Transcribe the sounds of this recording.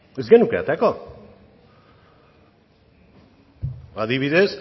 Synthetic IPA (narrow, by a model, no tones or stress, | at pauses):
ezɡenukea̰t̪eko | aðiβiðe̞s